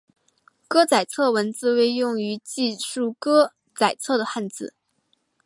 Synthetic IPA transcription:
kɤ˥t͡sa˨˩ɪt͡sʰɤ˥˩wə˧˥nt͡sɹ̩˥˧we˥˧ɪjʊ˥˩ŋy˧˥t͡ɕi˥˧ʂu˥˩kɤ˥ | t͡sa˨˩ɪt͡sʰɤ˥˩d̪ə˩xa˥˧nt͡sɹ̩˥˩˦

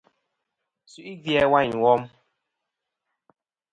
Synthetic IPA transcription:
su˨ʔi˦vjɛ˦wa˦ɲ˨wɔ˦m̩˦

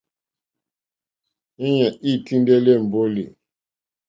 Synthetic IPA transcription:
e˦ɲa˨i˦˨ti˦n˦dɛ˦le˦˨m̩˨bo˦lḭ˨

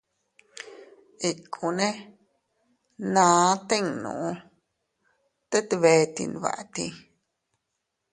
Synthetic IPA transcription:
i˧kʰũ˧nẽ˦ | nãː˨˧˦t̪e˦ŋnṵ̃˨ʔũ˧ | t̪e˦t̪βe˧˦˧t̪ḭ˧nβa̰˨ʔt̪i˧

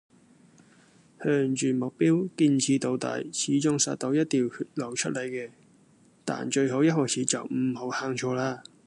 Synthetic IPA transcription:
hœː˧˩ŋt͡ʃyː˨˩mʊ˨k̚piː˥wkiː˧nt͡sʰiː˨˧˥t̪o˨˧wt̪a̰ː˨˩jt͡sʰiː˨˥t͡ʃʊ˧ŋsa̰ː˧t̚t̪ːo˨˥wjɐ˥t̚t̪iː˨whʰyː˧˩t̚lɐ˨˩wt͡ʃʰɵ̰˥t̚lɐ˨˧jkɛː˧ | t̪a̰ː˨nt͡ʃɵ˧ɥɦo˨˥wjɐ˥t̚hɔː˨˩t͡sʰiː˨˥t͡sɐ˨wm̩˨˩ho˨˥whaː˧ŋt͡ʃʰɔː˧laː˧

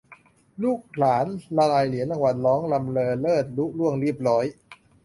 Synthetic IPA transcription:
luː˥˩k̚laː˩˦nla˧laː˧jli˩˦əna˧ŋwa˨˩nlɔː˦˥ŋla˧mlɤː˧lɤː˥˩t̪̚lu˦˥ʔlu˥˩əŋɾi˥˩p̚ɾɔː˦˥j

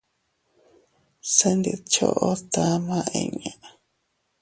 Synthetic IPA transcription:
se˧nd̪e˨t͡ʃo̰˦ʔo˦t̪a˦mã˦˧ʔḛ̃˧ɲã˨

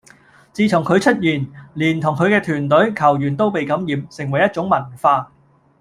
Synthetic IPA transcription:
t͡siː˧t̪ʰʊ˨˩ŋkʰɵ˨˧ɥt͡ʃʰɵ˥t̚jiː˨˩nliː˨˩nt̪ʰʊ˨˩ŋkʰɵ˨˧ɥkɛː˧t̪ʰyː˨˩nt̪ɵ˨˥ɥkʰɐ˨˩wjyː˨˩nt̪o˥wpe˨jkɐ˨˥mjiː˨˧msɪ˨˩ŋwɐ˨˩jːɐ˥t̚t͡sʊ˨˥ŋmɐ˨˩nfaː˧

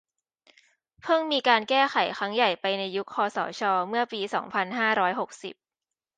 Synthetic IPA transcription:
pʰɤ˥˩ŋmiː˧kaː˧nkɛː˥˩xʰa˩˦jxʰɾa˦˥ŋja˨˩jpa˧jna˧jːu˦˥k̚ʰːɔː˧sɔ̰ː˩˦t͡ɕʰɔː˧mɯ˥˩ɐpiː˧sɔ̰ː˩˦ŋpʰa˧nɦaː˥˩ɾɔː˦˥jɦo˨˩k̚sḭ˨˩p̚

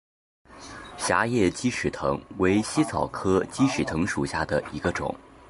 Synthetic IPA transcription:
ɕja˧˥jɛ˥˩t͡ɕi˥ʂɻ̩˨˩t̪ʰɤ̰˧˥ŋwe˧˥ɪɕi˥t͡sʰɑ˨˩ʊkʰɤ˥t͡ɕi˥ʂɻ̩˨˩t̪ʰɤ˧˥ŋʂu˨˩ɕja˥˩d̪ə˩i˧˥ɡə˧ʈ͡ʂʊ̰˨˩˦ŋ

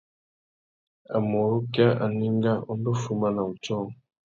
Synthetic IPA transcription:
a˨mo˨ɾu˦ka˦ʔa˨ni˦ŋɡa˦o˦m˦bo˦fu˦ma˦na˨u˨t͡ʃɔ˦˨ŋ˨

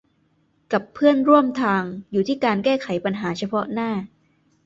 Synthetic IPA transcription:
ka˨˩pʰːɯ˥˩ənɾu˥˩əmt̪ʰaː˧ŋjuː˨˩t̪ʰiː˥˩kaː˧nkɛː˥˩xʰa˩˦jpa˧nɦaː˩˦t͡ɕʰa˧pʰɔ˦˥ʔnaː˥˩

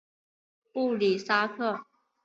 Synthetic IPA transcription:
pu˥˩li˨˩sa˥kʰɤ˥˩

